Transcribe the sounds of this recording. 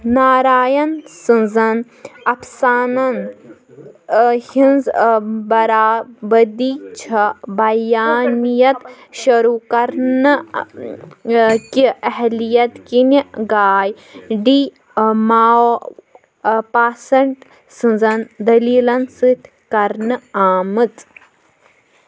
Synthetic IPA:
naːɾaːjɐnsɨnzɐn | ɐpʰsaːnɐn | hinzbɐɾaːbɐd̪iːt͡ʃʰɐbɐjaːnijɐt̪ | ʃɐɾuːkɐɾnɨ | kiɐɦlijɐt̪kiniɡaːj | ɖiː | mao | paːsɐɳʈ | sɨ̃nzɐnd̪ɐliːlɐnsɨt̪ʲʰ | kɐɾnɨaːmɨt̪

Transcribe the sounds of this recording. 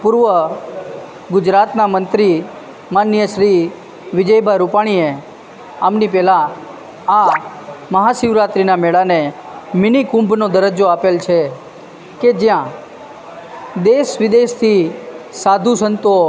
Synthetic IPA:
puɾʋə | ɡʊd͡ʒɾat̪namənt̪ɾi | manjəʃɾi | ʋɪd͡ʒəjbʱaɾupaɽ̃ie | amnipɛlã | a | məɦasiʋɾat̪ɾinameɭane | mɪnikũmbʱnod̪əɾəd͡ʒoapelt͡ʃʰe | ked͡ʒjã | d̪eʃʋɪd̪eʃt̪ʰisad̪ʱusənt̪o

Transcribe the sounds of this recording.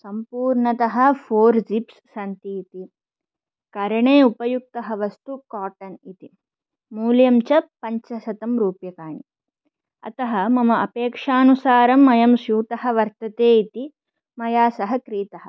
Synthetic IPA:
sɐmpuːɾɳɐt̪ɐɦɐ̆pʰoːɾd͡ʒipsːɐnt̪iːt̪i | kɐɾɐɳeːupɐjuk̚t̪ɐɦɐ̆ʋɐst̪ukaːʈɐnit̪i | muːljɐmt͡ʃɐpɐɲt͡ʃɐsɐt̪ɐmɾuːpjɐkaːɳi | ɐ̰t̪ɐɦɐmɐmɐɐpeːkʂaːnusaːɾɐmːɐjɐmsjuːt̪ɐɦɐ̆ʋɐɾt̪ɐt̪eːit̪i | mɐjaːsɐɦɐkɾiːt̪ɐɦɐ̆

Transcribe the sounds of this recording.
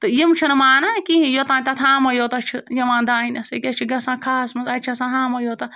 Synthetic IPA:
t̪ɨjimt͡ʃʰinɨmaːnakiɦĩjot̪ãːnʲt̪ɐt̪ʰãːmɐjoːt̪ɐt͡ʃʰijɐmãːnd̪aːinʲɐsekʲɐt͡ʃʰiɡɐsãːkʰaːsmɐzɐt͡ʃʰɐsãːɦãːmɐjoːt̪a

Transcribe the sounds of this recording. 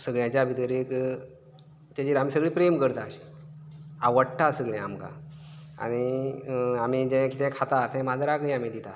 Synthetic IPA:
səɡɭjãt͡ɕjabʱit̪əɾik | t̪jat͡ɕiːɾamisəɡɭipɾemkəɾt̪aɕ | aʋəɽʈasəɡɭɛ̃amka̰ | a̰ɽ̃i | amid͡ʑɛ̃kit̪ɛ̃kʰat̪at̪ɛ̃mad͡zɾakəiam̤ĩd̪it̪a

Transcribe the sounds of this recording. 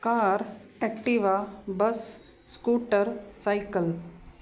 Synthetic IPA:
kaːɾekʈiʋabɐsː | kuːʈəɾsajkəl

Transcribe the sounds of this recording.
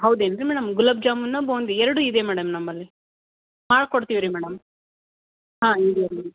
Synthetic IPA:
ɦɐwd̪eːnɾimɛːɽɐmɡulɐb̚d͡ʒaːmunːɐboːnd̪iɛɾɐɽuid̪emɛːɽɐmnɐmːɐlːi | maːɽkoɽt̪iʋiɾimɛːɽɐm | ɦãːid̪ijɐɐ

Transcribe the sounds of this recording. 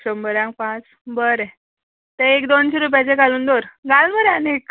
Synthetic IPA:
ɕəmbəɾãŋkpãt͡s | bəɾe | t̪eekd̪onɕiɾup̬jat͡ɕekaluːnd̪oɾɡalməɾanek

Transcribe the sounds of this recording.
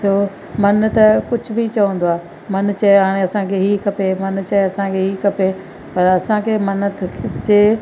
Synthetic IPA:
toː | mɐnt̪ɐkʊd͡ʑʱʊbʱit͡ɕɐʋə̃nd̪oaː | mɐnt͡ɕɐɦaːɽ̃eɐsãkʰeɦikɐpemɐnt͡ɕɐeɐsãkʰeɦiːkɐpe | pɐɾɐsãkʰeːmɐnt̪ʰd͡ʑeː

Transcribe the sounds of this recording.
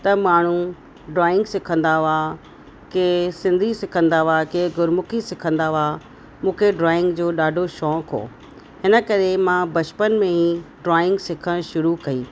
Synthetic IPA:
t̪ɐmaːɳ̤u | ɖɾaːɪ̃ŋɡsɪkʰə̃nd̪aʋa | keːsɪ̃nd̪ʱisɪkʰə̃nd̪aʋakeɡʱʊɾmʊkʰisɪkʰə̃nd̪aʋa | mũːkʰeɖɾaːɪ̃ŋɡd͡ʑoːɗaːɖʱoʃɔːkɦo̰ː | ɦɪnə̆kɐɾemãbɐt͡ɕpənmẽɦiɖɾaːɪ̃ŋɡsɪkʰəɽ̃ʃʊɾukɐiː

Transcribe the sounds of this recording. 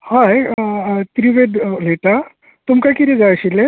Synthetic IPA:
haj | t̪ɾiʋeɖleʈa | t̪umkakiɾed͡zajɕile

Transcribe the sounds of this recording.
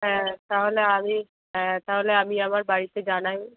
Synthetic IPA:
ɦɛ̃t̪aɦoleami | ɛ̃t̪aɦoleamĩəmaɾbaːɽised͡ʒaːñaːĩ

